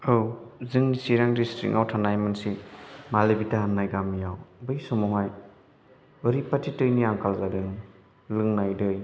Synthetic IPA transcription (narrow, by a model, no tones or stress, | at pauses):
ɯwzɯŋnisiɾaŋdistɾḭk̚ʔawtʰanajmansimalebitaɦanːajɡamːijawbɯjsɔmɔɦaj | ɯɾipatʰitɯjniaŋkalzadɯŋ | lɯŋnajdɯj